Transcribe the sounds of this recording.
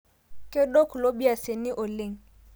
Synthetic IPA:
kʼe˦ɗo˦kʰlo˦bi˦a˨se˨ni˦ʔo˨le˦˨ŋ̩

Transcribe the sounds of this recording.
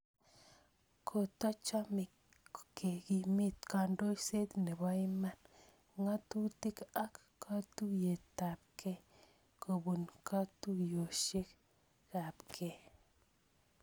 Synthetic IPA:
kʰo˨t̪a˦t͡ʃa˦mɪ˨k | kːe˨ɡi˨mɪ˦t̪ka˨ndo˦i˦se˦d̪nɛ˨ba˦i˦ma˦n | ŋa˦tu˦ti˦ka˦kːʰ | a˦tu˦je˨ta˨p̚kʰɛ˦ | kʰo˨bu˨nkʰa˦tu˦jo˨ʃe˦k | ka˨pkʰɛ˦

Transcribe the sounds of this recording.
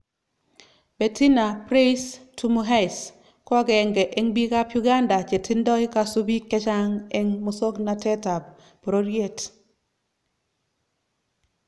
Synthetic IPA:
be˨ti˦na˨pɾe˦stumuɦa˦js | kɔ˦ɡɛ˨ŋɡɛ˨ʔe˦ŋbi˦ka˦pju˦ɡa˦nda˨t͡ʃe˨tʰi˦ndɔ˦i˦ka˦su˦bi˦kːɛ˦t͡ʃa˦ŋe˦ŋmuso˦kna˨tɛ˦ta˨b | pɾo˦ɾje˦t

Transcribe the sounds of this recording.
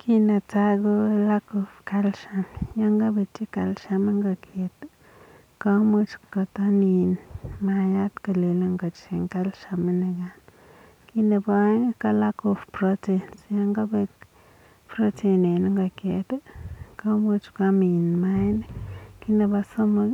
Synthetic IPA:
kʰi˦na˧t͡sa˦ɡo˦la˦ko˧fka˧lʃa˧mja˦ŋɡa˦be˧t͡ʃi˦ka˧lʃa˧me˦ŋɡa˧kʰe˨t̪ | ka˦mu˦t͡ʃka˧t̪a˦ni˧nma˧ja˦t̪ka˧˨le˨la˧ŋɡa˨t͡ʃe˨ŋka˦lʃa˧me˦ne˧ɡa˨n | ki˦na˧ba˦ŋ˦ka˦˧la˦ko˧fpɾo˦te˨nsja˦ŋɡa˦be˧k | pɾo˦t͡ʃe˧ne˨n˦ŋɡa˨ke˨t̪ka˦mu˦t͡ʃka˧mi˨nma˦jn˦ki˦na˧ba˧so˦ma˧

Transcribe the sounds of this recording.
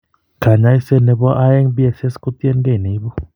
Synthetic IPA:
kʰa˨ɲa˧˦jse˧˨ne˧bɔ˦ʔa˦je˦ŋbi˦e˧˨se˦sku˦t̪i˦e˧˨nɡe˦˨ni˨˦bɔ˦

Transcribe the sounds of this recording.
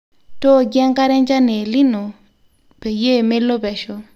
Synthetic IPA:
to˦˨ɡe˦ŋka˦ɾe˦nd͡ʒa˦ne˨li˦no˨ | pe˨je˦˨me˦lo˦bɛ˨ʃo˦

